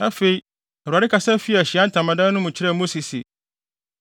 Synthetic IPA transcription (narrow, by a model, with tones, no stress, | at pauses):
a˦fe˨i˦ | ɛ˨ɾa˨ɾɪ˦kʰa˨sa˦fi˦˨ɕi˨ã˦n˦tʰã˨mã˨dã˦nʊ̃˦mʊ̃˨t͡ɕʰɪ˦ɾɛ˦˨mo˦si˨sḭ˨